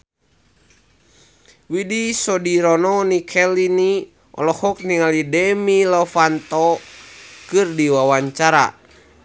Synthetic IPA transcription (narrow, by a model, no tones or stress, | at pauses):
widisɔdiɾɔnɔnikʰɛlini | ʔɔ̰lɔhɔk̚niŋalidɛmilɔfant̪ɔ | kɨrdiwawaɲt͡ʃaɾa̰